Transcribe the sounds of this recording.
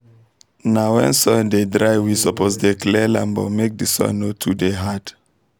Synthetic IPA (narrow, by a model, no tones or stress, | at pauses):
nawɛ̰̃nsɔ̃ndedɹajwisɔpozdeklɛlã̰mbo̰mek̚disɔ̰̃notʰudeɦad̥